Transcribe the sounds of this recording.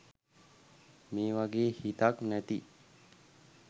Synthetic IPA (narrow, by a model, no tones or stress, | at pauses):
meːʋaɡeːhit̪aknæt̪ḭ